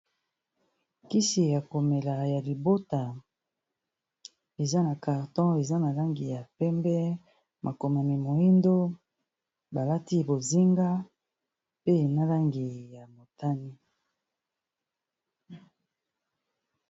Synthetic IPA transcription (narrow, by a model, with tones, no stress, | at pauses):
ki˦si˨ja˨ko˨me˨la˨ja˨li˨bo˦ta˨ | e˨za˦na˨ka˨ʁtɔ̃˦e˨za˦na˨la˦ŋɡi˨ja˨pɛ˦mbɛ˦ | mʔa˨ko˨ma˨mi˨mo˨i˦ndo˦ | ba˨la˦ti˦˨bo˨zi˦ŋɡa˦ | pe˦e˨na˦la˦ŋɡi˨ja˨mo˨ta˦ni˦